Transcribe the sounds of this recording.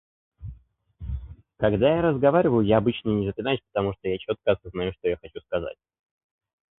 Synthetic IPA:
kɐɡd̪ajaɾəzɡɐvaɾʲɪvəjʊjaːbɨt͡ɕnənʲɪzəp̪ʲlʲɪnajɪsʲpə̥t̪ɐmuʂt̪ojat͡ɕo̞t̪̚kəɐsəznajuʂt̪o̞jaxɐt͡ɕuskɐza̰t̚ʲ

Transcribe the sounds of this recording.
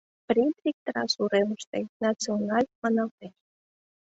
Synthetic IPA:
pɾʲit̪lʲik̚t̪əɾɑ̰suɾeməʃt̪ḛnat͡sionɑlʲmɑnɑlt̪eʃ

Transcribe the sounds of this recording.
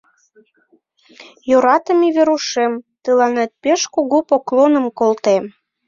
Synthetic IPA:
joɾɑt̪ə̆miβeɾuʃemt̪əlɑnet̪̚peʃkuɣupoklonə̆mkolt̪em

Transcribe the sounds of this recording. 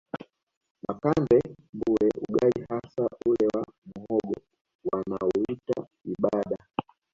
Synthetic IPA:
makambɛ | mbuɛʔuɡalihasaulɛwamuhɔɡɔ | wanauita | iɓaɗa

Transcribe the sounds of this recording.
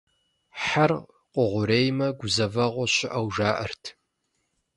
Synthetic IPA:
ħar | qʷʼʊʁʷʊɾeːjmɐɡʷʊzɐvɐʁʷɔɕɪʔɐwʐaːʔɐrtʰ

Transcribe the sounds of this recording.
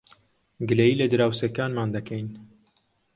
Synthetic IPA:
ɡɨlejiːlɨd̪ɨɾaːwseːkaːnmaːnd̪ɐkʰɛjn

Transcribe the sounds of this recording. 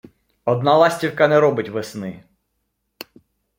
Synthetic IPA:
ɔd̪nalˠɑsʲtʲiwkɐnɛɾɔbɪtʲʋesnɪ

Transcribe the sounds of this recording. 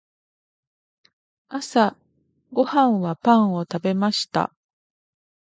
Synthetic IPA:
asa | ɡo̞hãɰ̃βapãɰ̃o̞t̪abe̞maɕi̥t̪a̰

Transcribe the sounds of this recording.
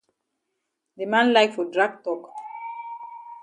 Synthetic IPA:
d̪emãnlajkfɔdɹaɡ̚tɔk

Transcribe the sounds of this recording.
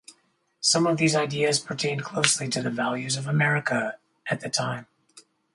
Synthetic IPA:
sʌ̃mʌvðizaɪdiɨz̥pʰə˞tʰẽɪ̃nkʰl̥oʊsliɾɨðɨvælˠjʉzʌvəmɛɹɨkə | ʔɨt̪̚ðɨtʰãɪ̃m

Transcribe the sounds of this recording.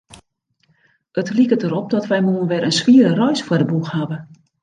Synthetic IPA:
ətlikətəɾɔp̚dɔtʋɛjmuənʋɛɾənsʋiəɾərɔjsfədəbuxhaʋə

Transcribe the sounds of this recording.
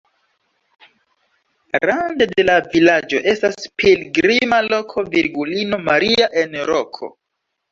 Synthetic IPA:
ɾandede̞lavilad͡ʒo̞̰ʔe̞staspilɡɾimalo̞kʰo̞vḭɾɡulino̞maɾiaʔe̞nɾo̞kʰo̞̰

